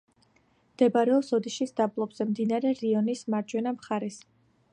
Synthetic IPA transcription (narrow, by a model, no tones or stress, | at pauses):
md̪̥ɛbaɾɛɔsɔd̪iʃisd̪ablˠɔbz̥ɛmd̪inaɾɛɾiɔnismaɾd͡ʒwɛnamχaɾɛs